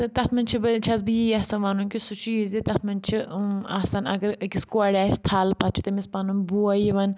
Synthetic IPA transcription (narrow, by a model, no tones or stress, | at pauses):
ɨt̪ɐt̪ʰmɐnt͡ʃʰibɨt͡ʃʰɐzbɨjijasanʋanunkʲisut͡ʃʰujizit̪ɐt̪ʰmɐnt͡ʃʰiaːsaːnɐ̰ɡɐɾɨkʲiskwaɽʲaːst̪ʰaːlpɐt̪̚t͡ʃʰu̥t̪ɐmispanunbuɐjiʋɐn